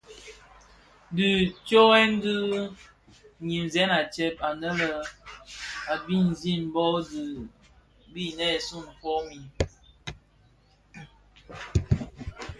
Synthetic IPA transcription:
dɨ˨t͡ʃo˦ɛ˦n˦dɨ˦ | ɲi˨m˨zɛ˦na˨t͡ʃɛ˦p̚a˨nə˦lə˨ | a˨bi˦˨n˨zi˦m˨˦bɔ˦dɨ˨ | bi˦˨nɛ˦˨su˦˨n˨fɔ˦mi˨

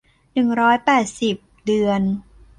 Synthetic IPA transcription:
nɯ˨˩ŋɾɔː˦˥jpɛː˨˩t̪̚si˨˩p̚dɯ˨˧ən

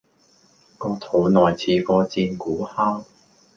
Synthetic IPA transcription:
kɔː˧t̪ʰo˨˧˥wnɔː˨˩jt͡sʰiː˨˧kɔː˧t͡siː˧nkuː˨˥haː˥w

